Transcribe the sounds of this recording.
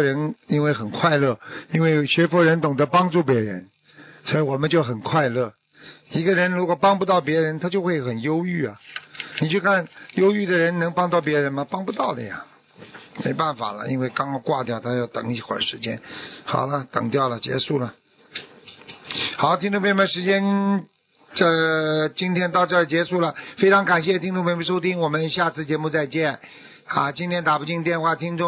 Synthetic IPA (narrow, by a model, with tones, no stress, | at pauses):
ɻə˧˥ni˥nwe˥˩ɪxə˨˩nkʰwa˥˧ɪlɤ˥˩i˥nwe˥˩ɪɕɥɛ˧˥fu˧˥ɻə˧˥nt̪ʊ˨˩ŋd̪ə˧˦pɑ˥ŋʈ͡ʂu˥˩pjɛ˧˥ɻə̰˧˥n | swɔ˧˥i˧˩wɔ˨˩mə˦nt͡ɕjo˥˩ʊxə˨˩nkʰwa˥˧ɪlɤ˥˩ | i˧˥ɡə˧ɻə˧˥nɻu˧˥kwɔ˨˩pɑ˥ŋpu˧t̪ɑ˥˩ʊp̬jɛ˧˥ɻə˧˥nt̪ʰa˥t͡ɕjo˥˧ʊxwe˥˩ɪxə˨˩njo˥ʊy˥˩ɐ˩ni˨˩t͡ɕjo˥˧ʊkʰa˥˩njo˥ʊy˥˩d̪ə˩ɻə˧˥nnɤ˧˥ŋpɑ˥ŋt͡swɑ˥˩ʊpjɛ˧˥ɻə˧˥nmɐ˨pɑ˥ŋpu˧t̪ɑ˥˩ʊd̪ə˨˩ja̰˨˩ | mḛ˧˥ɪpa˥˩nfa̰˨˩lə̰˦ḭ˥nwe˥˩ɪkɑ˥ŋ˧kwa˥˧t̪jɑ˥˩ʊt̪ʰa˥jɑ˥˩ʊt̪ɤ̰˨˩ŋi˥˩xwa̰˨˩nʂɻ̩˧˥t͡ɕjɛ̰˥nxɑ̰˨˩ʊlə˦t̪ɤ̰˨˩ŋt̪jɑ˥˩ʊlə˩t͡ɕjɛ̰˧˥ʂu˥˩lə˩ | xɑ˨˩˦ʊt̪ʰi˥ŋʈ͡ʂʊ˥˧pʰe˧˥˩n˧ʂɻ̩˧˥t͡ɕjɛ˥n | ə˥˧˩t͡ɕi˥nt̪ʰjɛ˥nt̪ɑ˥˧ʊt͡ɕɑ˥˩ə˩t͡ɕjɛ˧˥ʂu˥˩lə˩fe˥ɪʈ͡ʂʰɑ˧˥ŋka˨˩nɕ̬jɛ˥˧t̪ʰi˥ŋʈ͡ʂʊ˥˧ŋpʰʂ̬o˥ʊt̪ʰi˥ŋwɔ˨˩mə˦nɕja˥˧t͡sʰɹ̩˥˩t͡ɕjɛ˧˥mu˥˧t͡sa˥˧ɪt͡ɕjɛ˥˩n | a˥˧t͡ɕi˥nt̪ʰjɛ˥nt̪a˨˩pu˥˧t͡ɕi˥˩˧t̪jɛ˥˧nxwa˥˩t̪ʰi˥ŋʈ͡ʂʊ˥˩˨ŋ